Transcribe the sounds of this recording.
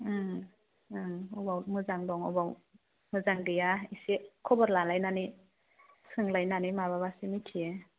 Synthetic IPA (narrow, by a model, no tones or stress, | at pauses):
ɯm | mɔbawmɯzaŋdɔŋɔ̰baw | mɯzaŋdijaisekʰɔbɔɾlalajnani | sɯŋlajnanimababasimitʰie